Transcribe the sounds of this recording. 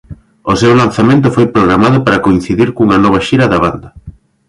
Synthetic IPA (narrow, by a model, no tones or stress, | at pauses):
osewlan̟θamẽnt̪̬ʊfojpɾoɣɾamaðʊpaɾɐkoin̟θiðiɾkuŋɐnɔβ̞ɐʃiɾɐðaβand̪ɐ